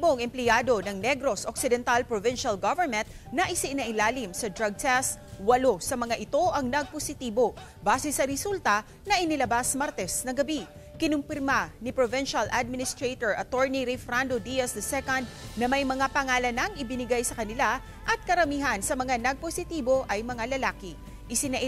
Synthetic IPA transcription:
boŋɛmplɪjaːd̪o̞nɐŋnɛɡɾo̞sʔok̚sɪd̪ɛnt̪alpɾovɪnʃɐlɡavɛɹmɛnt̪̚ | nɐʔɪsɪʔnɐʔɪlaːlɪmsɐd̪ɾɐɡ̚t̪ʰɛst̪̚wɐlo̞sɐmɐŋaʔɪt̪o̞ʔɐŋnɐɡ̚posɪt̪iːbo̞ | baːsɛsɐɾɛsult̪ɐ | nɐʔɪnɪlɐbasmaɾt̪ɛsnɐɡɐbi | kɪnʊmpɪɾmanɪpɾovɪnʃɐlʔad̪̚mɪnɪst̪ɹejt̪oɹʔɐt̪oɹniɾifɾand̪od̪ijɐsd̪ɐsɛkond̪̚nɐmɐjmɐŋapɐŋaːlɐnɐŋʔɪbɪnɪɡajsɐkɐnɪla | ʔɐt̪̚kɐɾɐmiːɦɐnsɐmɐŋanɐɡ̚posɪt̪iːbo̞ʔɐjmɐŋalɐlaːkɪ | ʔɪsɪnɐʔ

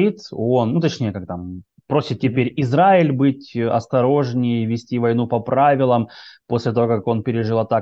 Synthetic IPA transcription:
it̪o̞nːut̪ɐt͡ɕnʲejəkak̚t̪am | pɾo̞sʲɪt̪̚tʲɪpʲeɾʲɪzɾaɪlʲbɨtʲɐ̰st̪ɐɾo̞ʐnʲɪjvʲɪsʲtʲivɐjnupɐpɾavʲɪlˠəmpo̞sʲlʲɪt̪ɐvokako̞npʲɪɾʲɪʐɨlˠɐt̪a

